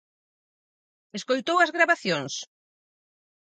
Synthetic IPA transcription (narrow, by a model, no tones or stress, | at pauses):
eskojt̪owɐzɣɾaβaθjoŋs